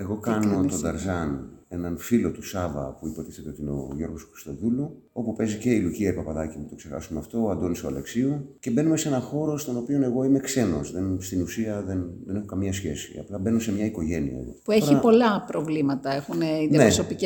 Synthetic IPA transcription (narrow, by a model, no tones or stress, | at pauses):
eɣo̞kɐnot̪od̪ɐɾzɐne̞nɐnfilo̞t̪usɐvɐ̰puipo̞t̪iθe̞t̪eo̞t̪ino̞̰ʝo̞ɾɣo̞sxɾi̥st̪o̞ðulo | o̞pupe̞zice̞iluciɐipɐpɐðɐcimut̪o̞kse̞xɐ̰sumeɐft̪o̞ɐnd̪oniso̰le̞ksioce̞be̞nume̞se̞nɐxo̞ɾo̞st̪o̞no̞pio̞ne̞ɣo̞ime̞kse̞no̞̰sðenst̪inusiɐðenðene̞xokɐmiɲɐsçe̞sḭɐ̰plɐbe̞nose̞mɲɐiko̞ʝe̞niɐ̰ḛðo̞̰pueoçɾiɐpo̞lɐpɾovlimɐt̪ɐexuneiðnɐneosopic